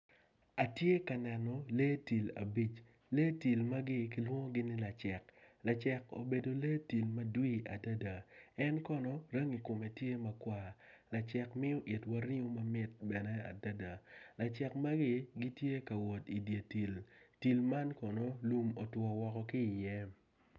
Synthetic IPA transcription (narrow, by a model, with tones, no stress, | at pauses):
a˨tje˦ka˨nɛ˨nɔ˨le˦ti˨la̰˨bi˦t͡ʃ | le˦ti˨lma˦ɡɪ˦k̬i˨lwɔ˦ŋo˦ɡɪ˦nɪ˦la˨t͡ʃɛ˨kla˨t͡ʃɛ˨ko̰˨be˨do˨le˦ti˨lma˦dwi˦a˨da˦da˨ɛ˦nkɔ˨nɔ˨ɾə˦ŋi˨ko˨me˨tje˦ma˦kwa˦la˨t͡ʃɛ˨kmɪ˦ɔ˦ʔi˨twa˦ɾi˦o˦ma˦mɪ˦t̚bɛ˨nɛ˦a̰˨da˦da˨la˨t͡ʃɛ˨kma˦ɡɪ˦ɡi˦tje˦ka˨wɔ˨ti˨dje˨ti˨lti˨lma˦nkɔ˨nɔ˦lu˦mo˨twɔ˨wɔ˨kɔ˨kɪ˦˨jɛ˦